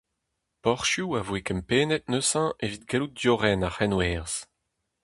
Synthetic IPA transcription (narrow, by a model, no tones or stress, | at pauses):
pɔʁʃjuavwekɛmpeːnɛt̪̚nøsɑ̃ʔevit̪̚ɡelut̚d̪joʁɛnaχɛnwɛʁz̥